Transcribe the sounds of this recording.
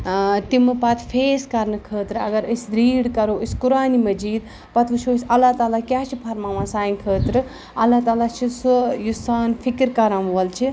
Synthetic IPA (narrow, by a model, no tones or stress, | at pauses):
t̪imɨpɐt̪ʰfʰeːskɐɾnɨkʰəːt̪ɾɨɐ̰ɡɐɾɨsɾiːɽkɐɾoːɨskuɾaːnimɐd͡ʒiːd̪ | pɐt̪ʰʋɨt͡ʃʰoːsʲɐlːaːt̪aːlakjaːt͡ʃʰipʰɐɾmaːmãsaːinkʰəːt̪ɾɨ | ɐlːaːt̪aːlat͡ʃʰisujusaːnfʰikɾkɐɾamʋɐlt͡ʃʰi